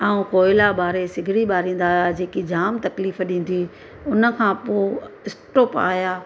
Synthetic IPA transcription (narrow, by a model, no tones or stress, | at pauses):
aːũkoːɪlabaːɾesɪɡʱɪɽiɓaːɾĩːn̆d̪aːjad͡ʑeːkid͡ʑaːmt̪ɐkliːfɗĩːn̆d̪i | ʊnə̆kʰãːpoːɪsʈoːpa̰ːɦjaː